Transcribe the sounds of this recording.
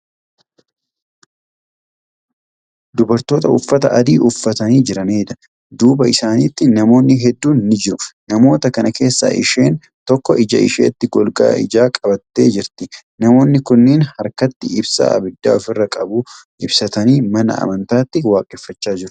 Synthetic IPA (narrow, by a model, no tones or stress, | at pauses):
d̪ʊbɐɾt̪o̞ːt̪ɐʊfːɐt̪ɐʔɐd̪iːʔʊfːɐt̪ɐniːd͡ʒɪɾɐneːd̪ɐ̥ | d̪uːbɐɪsaːniːt̪ːɪnɐmo̞ːnːɪɦɛd̪ːuːnnɪd͡ʒɪɾʊnɐmo̞ːt̪ɐkɐnɐke̞ːsːa̰ːʔɪ̰ʃe̞ːn | t̪ɔkːɔʔɪd͡ʒɐ̰ʔɪ̰ʃḛːt̪ːɪɡɔlɡa̰ːɪ̰d͡ʒaːkʼɐbɐt̪ːe̞̰ːd͡ʒɪɾt̪ɪ | nɐmo̞ːnːɪkʊnːɪːnhɐɾkɐt̪ːɪɪbsa̰ːɐ̰bɪd̪ːa̰ːɔfɪrːɐkʼɐbuː | ɪbsɐt̪ɐniːmɐnɐ̰ɐ̰mɐnt̪aːt̪ːɪwaːkʼɛfːɐt͡ʃːaːd͡ʒɪɾʊ̥